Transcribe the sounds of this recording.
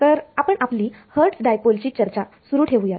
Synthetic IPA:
t̪əɾapəɳʔapliːhəɾʈsɖajpolt͡ɕiːt͡ɕəɾt͡ɕasuɾuːʈʰeʋuja

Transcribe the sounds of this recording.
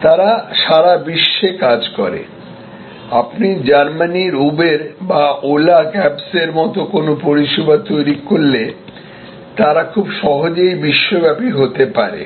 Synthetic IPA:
t̪aɾaʃaɾabiʃːekad͡ʑkɔ̰ɾḛ | apnid͡ʑaɾmaniɾubeɾbaʔolakɛbseɾmɔt̪okonopoɾiʃobat̪ojɾikoɾle | t̪aɾakʰubʃɔɦod͡ʑejbiʃːobɛpiɦot̪epa̰ɾḛ

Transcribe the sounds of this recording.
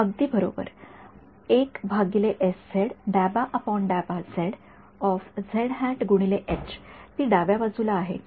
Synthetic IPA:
əɡ̚d̪iːbəɾo̰bə̰ɾ | ekbʱaɡileʔesːeɽɖæbaʔəpɔnɖæbad͡zeɽ | ɔfd͡zʱeɽɦɛ̃ʈɡuɽ̃ileʔet͡ɕt̪iːɖaʋjaʋad͡zulaːɦḛt̪

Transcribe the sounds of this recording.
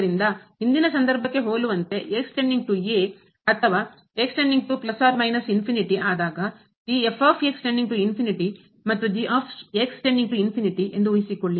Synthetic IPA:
ɾind̪ɐɦind̪inɐsɐnd̪ɐɾbʱɐkːe̞ɦoːluʋɐnt̪e̞ʔeːksʈeɳɖiŋɡ̚ʈueː | ɐt̪ʰɐʋaː | eksʈeɳɖiŋɡ̚ʈuplɐsaːɾmɐjnɐsinpʰiniʈiaːd̪aːɡɐ | d̪iefaːpʰeːksʈeɳɖiŋɡ̚ʈuinpʰiniʈi | mɐt̪ːud̪iʔaːpʰeːksʈeɳɖiŋʈuinpʰiniʈiʔe̞nd̪uuisikoɭːi

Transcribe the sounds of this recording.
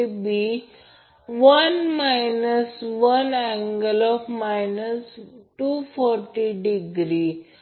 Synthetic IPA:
bi | ʋənmajnəsʋənæ̃ŋɡəlɔfmajnəsʈufɔɾʈiɖiɡɾi

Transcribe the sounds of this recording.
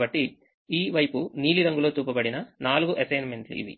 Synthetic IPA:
bɐʈːi | iːʋɐjpuniːliɾɐŋɡuloːt̪uːpɐbɐɽinɐnaːluɡuʔɐsɐjnmeɳʈḭʋḭ

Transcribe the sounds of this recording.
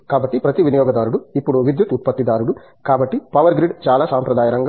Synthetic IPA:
kaːbɐʈːipɾɐt̪iʋinɐjɔːɡɐd̪aːɾuɽuipːuɽuʋid̪jut̪ut̪̚pɐt̪ːid̪aːɾuɽu | kaːbɐʈːipɐʋɐɾɡɾiɖt͡ʃaːlaːsaːmpɾɐd̪aːjɐɾɐŋɡɐ

